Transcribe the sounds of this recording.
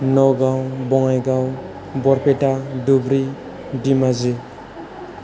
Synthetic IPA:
nɔɡawbɔŋajɡaw | bɔɾpetadubɾi | dimazi

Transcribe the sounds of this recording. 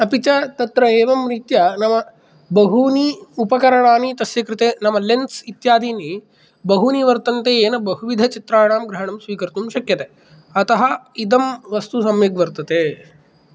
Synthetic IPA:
ɐpit͡ʃɐt̪ɐt̪ɾɐeːʋɐmɾit̪jɐnɐmɐ | bɐɦuniupɐkɐɾɐɳaːnit̪ɐsjɐkɾɪt̪eːnɐmɐlent̪sit̪jaːd̪iːni | bɐɦuniʋɐɾt̪ɐnt̪eːeːnɐbɐɦuʋid̪ʱɐt͡ʃit̪ɾaːɳaːmɡɾɐɦɐɳɐmsʋiːkɐɾt̪umʃɐkjɐt̪e | ɐt̪ɐɦɐid̪ɐmʋɐst̪usɐmjɐɡʋɐɾt̪ɐt̪eː

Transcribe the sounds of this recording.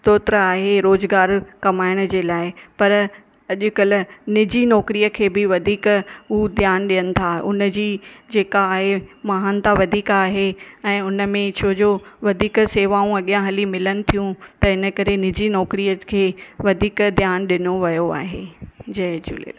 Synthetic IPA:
t̪oːt̪ɾəaːɦeɾoːzɡaːɾkɐmaːɪɽ̃ʊ̆d͡ʑeːlaːɪpɐɾ | ɐʄʊkɐlnɪd͡ʑinɔːkɾijəkʰeːbɪʋɐd̪ʱiːkuːd̪ʱjaːnɗijənɪ̆t̪ʰaʊnəd͡ʑiːd͡ʑeːkaːɦemɐɦaːnt̪aʋɐd̪ʱiːkaːɦeɛ̃ːʊnə̆mẽt͡ɕʰoːd͡ʑoʋɐd̪ʱiːkseːʋaːũɐɠijãɦɐlimɪlənɪ̆t̪ʰijũt̪ɐɪnə̆kɐɾenɪd͡ʑinɔːkɾiːjəkʰeːʋɐd̪ʱiːkd̪jaːnɗɪnoʋɐjoa̰ːɦed͡ʑɐɦd͡ʑṵːlḛː

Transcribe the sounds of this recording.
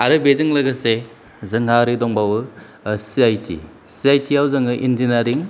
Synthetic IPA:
aɾɯbezɯŋlɐɡɯse | zɯŋɦaɾɯdɔŋbawɯ | siajtʰḭ | siajtʰiawzɯŋɯʔinzinaɾiŋ

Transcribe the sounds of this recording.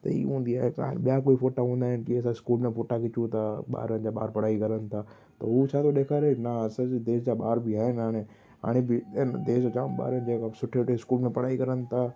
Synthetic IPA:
t̪ɐ̰ḭːɦũːn̆d̪iaːɦeka̰ːɦnɓijakoːifoːʈaɦũːnd̪aːɦɪnkis̬ãɪskuːlmẽfoːʈakɪt͡ɕũt̪ʰaɓa̰ːɾənd͡ʑaːɓa̰ːɾpɐɽaːikɐɾənɪ̆t̪ʰaː | t̪ɐɦut͡ɕʰaːt̪ʰoɗeːkʰaːɾeknasəd͡ʑd̪eːsd͡ʑaɓa̰ːɾbɪaːɦɪnɦaːɽ̃e | ɦa̰ːɽ̃ebɪnd̪eːsd͡ʑot͡ɕa̰ːmɓa̰ːɾənd͡ʑeːkasʊʈʰeʈeɪskuːlmẽpɐɽaːikɐɾənɪ̆t̪ʰa

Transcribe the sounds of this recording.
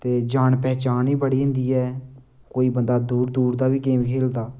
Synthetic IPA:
t̪eːd͡ʒaːɳpɛːt͡ʃaːniːbəɽiːɦɪ̃nd̪iːɛː | koːiːbənd̪aːd̪uːɾd̪uːɾd̪aːʋiːkeːmkʰeːld̪aː

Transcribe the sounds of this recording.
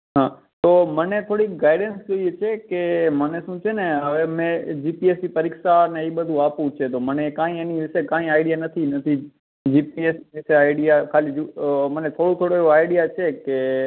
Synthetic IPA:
ɦãː | t̪oːmənẽt̪ʰoːɽiɡaːɪɖenskit͡ʃʰekemənesũːt͡ʃʰenɛ̃əʋemẽd͡ʒiːpieːsd͡ʑipɐɾɪːksanẽiɓəd̪ʱũaːpũt͡ʃʰet̪̬oːmənekãːɦĩeːniʋɪsekãːɦĩaːɪɖijanɐt̪ʰinɐt̪ʰi | d͡ʒiːpieːsiʋɪseaːɪɖijakʰaːlid͡ʒumənẽt̪ʰoːɽut̪ʰoːɽoiɦoaːɪɖijat͡ʃʰeke

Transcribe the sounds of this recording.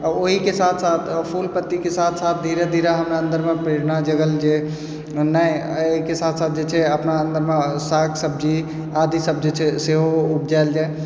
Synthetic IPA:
əoɦikesat̪ʰsat̪ʰpʰulpət̪ːikesat̪ʰsat̪̚ʰd̪ʱiɾed̪ʱiɾaɦəmnaənd̪əɾmepɾeɾnad͡ʒəɡəld͡ʒe | na | əɦikesat̪ʰsat̪̚ʰd͡ʒet͡ʃʰɛəpnaənd̪əɾmesaksəb̚d͡ʒi | ad̪isəb̚d͡ʒet͡ʃʰɛseɦoup̚d͡ʒaeld͡ʒae

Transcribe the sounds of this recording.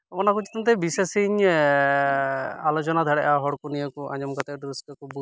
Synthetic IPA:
ɔnakut͡ʃi̥t̪ɔnt̪ɛbisesiɲ | alɔt͡ʃɔnad̪ʱaɽɛʔaɦɔɽkunijɔkuʔa̰ɲɔmkɔt̪eɖɾiskekubu

